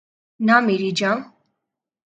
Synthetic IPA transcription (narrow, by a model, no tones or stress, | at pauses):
namiɾid͡ʒam